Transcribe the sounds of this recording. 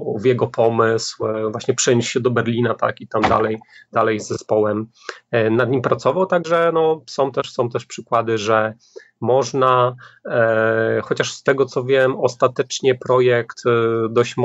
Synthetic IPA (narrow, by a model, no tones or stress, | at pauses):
vjɛɡɔpʰɔmɘswvwaɕɲɛpʂɛɲuɕɕɛd̪ɔbɛɾlʲinat̪a̰kit̪amd̪a̰lɛjd̪̥alɛjzːɛspɔwɛm | nad̪ɲimpɾat̪sɔvawt̪aɡʐɛnɔsɔ̃w̃t̪ɛʂsɔ̃w̃t̪ɛʂpʂɘkwad̪ɘʐɛ | mɔʐna | xɔt͡ɕaʂst̪ɛɡɔt̪sɔvʲjɛmɔst̪at̪ɛt͡ʂɲɛpɾɔjɛkt̪d̪ɔɕt͡ɕm